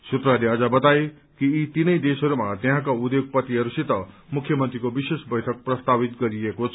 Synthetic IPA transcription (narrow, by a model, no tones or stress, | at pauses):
sut̪raleʌd͡zabʌt̪ae | kiːt̪inʌjd̪esʌɾumat̪eɦãkaud̪joɡ̚pʌt̪iɦʌɾusit̪ʌ | mukʰjʌmʌnt̪ɾikobisesbʌjʈʰʌk̚prʌst̪abit̪ɡʌɾiekot͡sʰ